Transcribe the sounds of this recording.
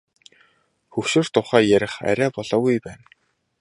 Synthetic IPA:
xɵwʃɵ̆ːr̥t̪ʊχæːjæɾʲɪ̆χæ̰ɾʲæːpɔɮɔːɣujpæːn

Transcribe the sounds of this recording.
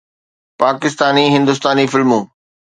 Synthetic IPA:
paːkɪst̪aːniɦɪ̃nd̪ʊs̬t̪aːnifɪlmũː

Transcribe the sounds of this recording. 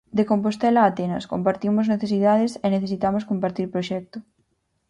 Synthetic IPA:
d̪ekompost̪ɛlɐːt̪ɛnɐskompaɾt̪imʊzneθesiðað̞eseneθesit̪amoskompaɾt̪iɾpɾoʃɛk̚t̪ʊ

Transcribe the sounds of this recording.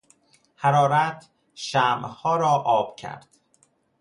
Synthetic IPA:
hæɾɒːɾæt̪ʰ | ʃæːmʔhɒːɾɒːʔɒːb̥̚cʰæ̰ɾd̪̥

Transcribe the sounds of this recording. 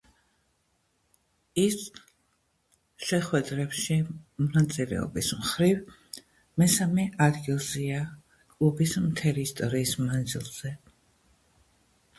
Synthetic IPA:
is | ʃɛχwɛd̪ɾɛpʃimɔnat̪sʼilɛ̰ɔ̰bismχɾiv | mɛsamɛʔad̪ɡilˠzia | kʼlˠubismt̪ʰɛɾiːst̪ʼɔɾiːsmand̪zilˠz̥ɛ

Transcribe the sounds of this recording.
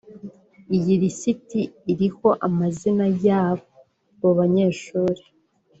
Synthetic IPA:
ijiɾisitiːɾiho̞ʔamazinajaːβo | βoβaɲeːʃuːɾe̥

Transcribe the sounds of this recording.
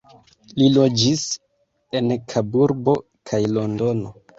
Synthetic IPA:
lilo̞d͡ʒis | e̞nkʰabuɾbo̞ | kʰajlo̞ndo̞no

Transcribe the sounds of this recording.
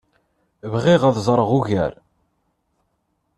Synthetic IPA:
vʁiʁæðzˤɾˤəʁuʝæ̰ɾ

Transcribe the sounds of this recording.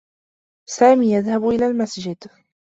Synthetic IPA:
saːmiːjaðhabʔɪlaːlmasd͡ʒɪd̪

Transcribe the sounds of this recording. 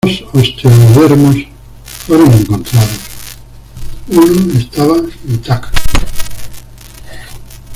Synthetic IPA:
osost̪eoɣoðeɾmos | fweɾoŋẽŋkõnt̪ɾaðos | unoest̪aβasunt̪ak

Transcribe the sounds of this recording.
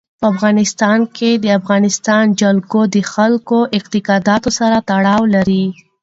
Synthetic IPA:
pəafɣɑnɪst̪ɑnkʰed̪əafɣɑnɪst̪ɑnd͡ʒalɡod̪əxalkoʔɪqt̪ɪsɑd̪ɑt̪osaɾat̪aɽɑwlaɾi

